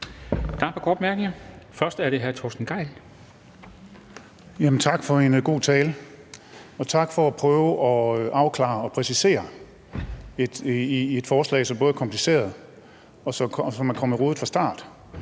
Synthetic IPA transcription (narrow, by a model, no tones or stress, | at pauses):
d̥ɑ̈pʰɑ̈ɡ̥ɒ̰ːd̥mæɐɡ̥neŋɐfɶɐsd̥æɐɾe̝ɦæɐt͡sʰosd̥n̩ɡ̥ɑ̈ɪ̰l | jæmn̩t͡sʰɑ̈ɡ̥fɒ̽e̝nɡ̥o̝̰ːt͡sʰɛːlə | ɒ̽t͡sʰɑ̈ɡ̥fɒ̽æpʰʁœːʊəʔɒ̽ʔɑ̈ʊkʰlɑ̰̈ːɒ̽pʰʁɛsise̝̰ːɐ | ied̥fɒːslɛ̰ɪsɒ̽mb̥ɔ̽ːð̞̩ˠkʰɒ̽mpʰlise̝̰ːɐðˠ | ɒ̽sɒ̽kʰsɒmænkʰɒ̽məʁo̝ːð̩fʁɑ̈sd̥ɑ̰̈ːd̥